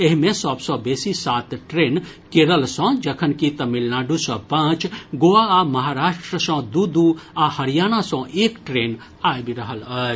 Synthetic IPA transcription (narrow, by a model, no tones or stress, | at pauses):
eɦmẽsəbsɔ̃besisat̪ʈɾenkeɾəlsə̃d͡ʒəkʰənkit̪əmilnaɖusɔ̃pãt͡ʃɡoaaməɦaɾaʃʈɾəsə̃d̪ud̪uahəɾijañasə̃ʔekʈɾen | ajbiɾəɦələt͡ʃ